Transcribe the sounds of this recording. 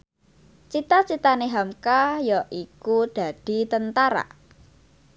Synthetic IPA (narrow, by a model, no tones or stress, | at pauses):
t͡ʃit̪at͡ʃit̪aneɦamkajɔʔikud̪̥a̤d̪̥i̤t̪ənt̪aɾa̰